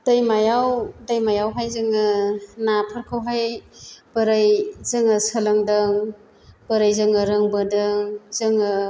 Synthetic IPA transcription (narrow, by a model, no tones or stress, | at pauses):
d̥ajmajawdajmajawɦajzɯŋɯnapʰaɾkʰawɦajb̥ɐɾajzɯŋɐsalɐŋdɯŋ | b̥ɐɾajzɯŋɯɾɯŋbɯdɯŋzɯŋɯ